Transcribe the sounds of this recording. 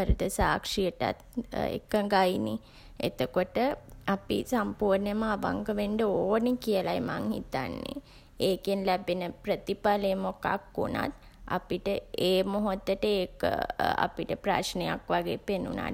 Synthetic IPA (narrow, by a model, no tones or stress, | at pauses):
əɾud̪əsaːkʂijəʈa̰t̪ḛkəɡaini | ḛt̪okoʈəapḭsampuːɾnəməaʋa̰ŋkəʋeɳɖəoːnikijəlajmaŋhḭt̪a̰nːḛ | eːkenlæbenəpɾət̪ipalemoka̰kːṵna̰t̪ | a̰piʈəeːmoɦot̪ːəʈəeːkə̰a̰piʈəpɾa̰t͡ʃnejakʋaɡeːpenṵna̰